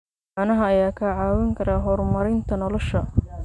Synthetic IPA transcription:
aʕnɐɦɐɐjaːkʰɐʕaːwɐŋkʰɐɾaːɦɔrmɐɾɪnt̪ʰɐnɔlɔʃɐ

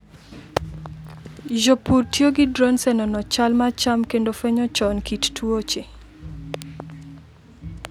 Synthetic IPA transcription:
d͡ʒopurtjoɡɪdɾonsɛnɔnɔt͡ʃalmat͡ʃamkendofɛɲɔt͡ʃɔnkittwot͡ʃe

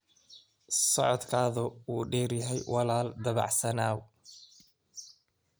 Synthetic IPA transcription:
sɔʕɔd̪kʰaːðʊuːɖɛːrjɐɦɛjwʔɑlaːld̪ɐβɑ̰ʕsɐnaːw

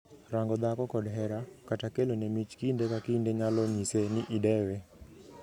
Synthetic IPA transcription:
ɾaŋɡɔd̪akɔkɔdɦɛɾakatakelonɛmit͡ʃkindekakindeɲalɔɲisenɪʔɪdɛwɛ

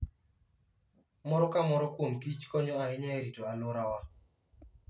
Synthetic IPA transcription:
mɔɾɔkamɔɾɔkwomkit͡ʃkɔɲɔaɪɲaɛɾitoalʊɾawa

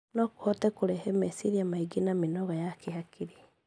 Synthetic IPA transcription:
nɔko̥hɔtɛkoɾɛhɛmɛsiɾiamaiɡinaminɔɣajakehakʰiɾi

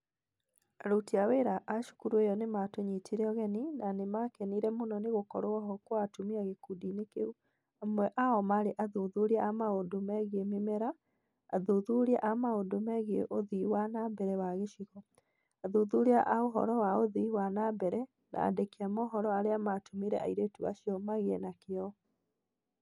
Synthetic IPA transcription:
aɾotiaweɾaʔaʃu̥kuɾwejɔnematoɲetiɾɛɔɣɛninanemakɛniɾɛmonɔneɣokɔɾoɔɦɔkoatumiaɣekudinekḛu | amwɛʔaɔmaɾeʔaðoðuɾiaamaodomɛɣiememɛɾa̰ː | ðoðuɾia̰ʔamaodomɛɣeʔoðiwanabɛɾɛwaɣeʃiɣɔ | aðoðuɾeaʔaoɦɔ̰ɾɔwaoðiwanabɛɾɛ | nʔa̰ːdekeamɔɦɔɾɔaɾeamatumiɾɛa̰iɾetua̰ʃiɔmaɣeɛnakeɔ

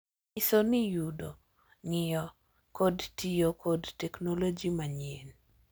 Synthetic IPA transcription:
ɪsonɪjudo | ŋɪjɔ | kodtijokodtɛknolod͡ʒimaɲen

